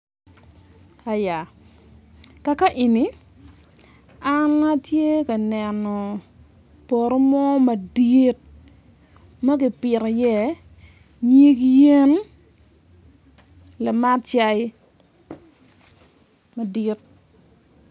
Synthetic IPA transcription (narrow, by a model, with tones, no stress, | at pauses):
a˨ja˨ | ka˨ka˦ʔi˨ni˨˦ | a˦na˦tje˦ka˨nɛ˨nɔ˨ | pɔ˨ɾo˦mɔ˦mɐ˨di˦t̚ | ma˦ɡɪ˨pɪ˨ɾɔ˨jɛ˦ | ɲi˦kje˦n | la˨ma˦tt͡ʃa˦ɪ˦ | ma˨di˦t̚